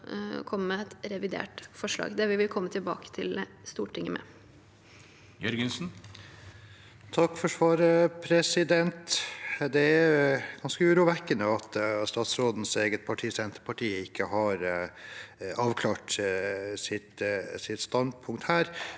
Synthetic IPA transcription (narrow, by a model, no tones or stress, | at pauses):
kʰɔmːəmɛɛt̪ɾɛʋɪd̪ḛːʈfɔʂlɑ̰ːɡd̪ɛʋɪʋɪlkʰɔmːət̪ʰɪlbɑ̰ːkə̥t̪ʰɪl | st̪uːʈʈɪŋːəmʔɛ̰ | jœɾɡənsn | t̪ʰɑkːfɔʂʋɑːɾəpʰɾɛsɪd̪ɛnt̪d̪ɛæjɡ̥ɑnskəʉːɾuːʋɛkːənəɑt̪st̪ɑːt̪sɾoːd̪n̩seːɡət̪̚pʰɑʈʰiːsɛnt̪ə̥pʰɑʈʰiːəɪkːəhɑɾ | ɑːʋkʰlɑːʈ | sɪt̪sɪt̪st̪ɑnd̪pʰʊŋkt̪hæːɾ